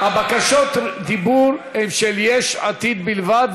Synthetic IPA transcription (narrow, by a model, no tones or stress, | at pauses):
habakaʃot̪d̪ibuɾhɛmʃeljeʃat̪id̪bilvad̪